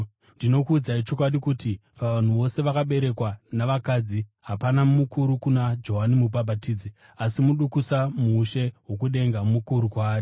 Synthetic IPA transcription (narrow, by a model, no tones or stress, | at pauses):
ndino̞kuːd͡zait͡ʃo̞kwaɗikutipaʋan̤uʋo̞se̞ʋakaɓe̞ɾe̞kwanaʋakaːd͡ziɦapanammukuɾukunad͡ʒo̞ɦanimupabʱatiːd͡zi | asimuɗukusamuuːʃeɦwo̞k̬uɗe̞ŋɡamukuɾukwaːri